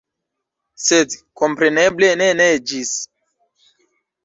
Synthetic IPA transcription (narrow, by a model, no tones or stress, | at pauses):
sedkompɾeneblenened͡ʒis